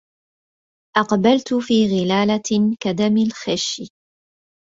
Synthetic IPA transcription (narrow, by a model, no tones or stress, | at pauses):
ʔɑqbalt̪ʊfiːɣɪlaːlakad̪amɪlxaʃː